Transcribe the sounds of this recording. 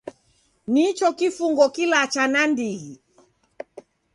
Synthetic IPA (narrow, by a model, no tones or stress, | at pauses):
nit͡ʃɔkifuŋɡɔkilat͡ʃanandiɣi